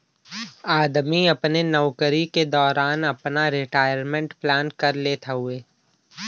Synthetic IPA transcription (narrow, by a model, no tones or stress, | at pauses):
aːd̪miɐpnenɔʋkəɾiked̪ɔːɾaːnɐpnaɾɪʈaːɪəɾmẽɳʈplaːnkɐɾleːt̪ʰaɦʊeː